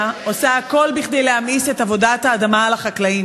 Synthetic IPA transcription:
o̞saːko̞lbiχdejleamisetavo̞dathaːd̪amalaχaklaim

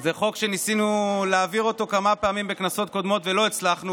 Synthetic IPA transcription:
zeχo̞kʃe̞nisinuleaviʁo̞t̪o̞kamapeamimbeknaso̞t̪̚ko̞d̪mo̞t̪velo̞it͡slaχnu

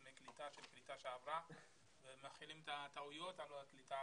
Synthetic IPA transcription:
meklit̪aʃelklit̪aʃeavʁa | vemaχilimt̪at̪aujot̪aloaklit̪a

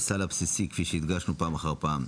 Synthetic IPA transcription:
salapsisikfiʃeid̪ɡaʃnupaːmaχaʁpaːm

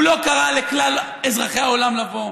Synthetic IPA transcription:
lo̞kaʁaleklal | ezʁaχeao̞lamlavo̞

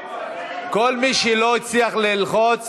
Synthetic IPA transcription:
kolmiʃeloit͡sliaχlilχot͡s

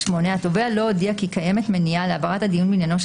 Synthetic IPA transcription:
ʃmo̞neato̞vealo̞odiakikaje̞me̞tmenialeabaʁathad̪ijunminjano̞ʃ

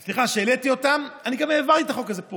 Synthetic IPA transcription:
sliχaʃe̞ːlet̪io̞tamaniɡameːvant̪it̪aχokazepo

